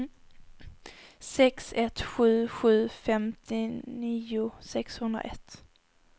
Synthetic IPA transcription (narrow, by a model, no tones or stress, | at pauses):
sɛksɛt̪ɧʉ̟ːɧʉ̟ːfɛmt̪ʰɪniːʊsɛkshɵnd̪ɾa̰ʔɛt̪